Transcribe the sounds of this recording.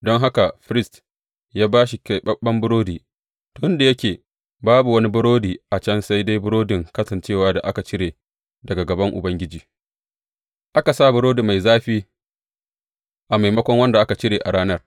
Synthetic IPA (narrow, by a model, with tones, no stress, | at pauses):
dɔ˦ŋɦa˦ka˨ɸɪ˦ɾɪ˦st | jaː˦baː˦ʃi˨kʲa˨jɓɐ˦ɓːɐ˦mbʊ˦ɾoː˦diː˨ | tʊ˦ɪ˦nda˨jɐ˦kʲeː˨ | baː˦bu˨wɐ˦ni˦bʊ˦ɽoː˦diː˨ʔa˨t͡ʃɐ˦nsa˦jda˦jbʊ˦ɾoː˦dɪ˨ŋkɐ˦sɐ˨nt͡ʃeː˦˨waː˦da̰˨ʔa˦ka˨t͡ʃɪ˦ɽeː˨ | dɐ˨ɡa˨ɡɐ˨bɐ˦ŋʔʊ̰˨bɐ˦ŋɡʲɪ˦d͡ʒiː˨ | ʔa˦ka˨saː˦˨bʊ˦ɾoː˦di˨ma˨jzaː˦ɸiː˦ | ʔa˨ma˨jmɐ˦kʷɔ˦ŋwɐ˦nda˨ʔa˦ka˨t͡ʃɪ˦ɽeː˨ʔa˨ɽaː˦nɐ˦r